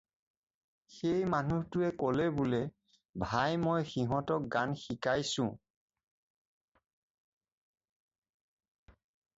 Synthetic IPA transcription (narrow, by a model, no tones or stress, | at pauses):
xejmanuhtʊɛkɔlɛbulɛ | bʱajmɔjxiɦɔtɔk̚ɡanxikajsʊ̃